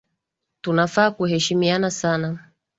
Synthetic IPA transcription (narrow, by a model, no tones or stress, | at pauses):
tunafaːkuhɛʃimianasana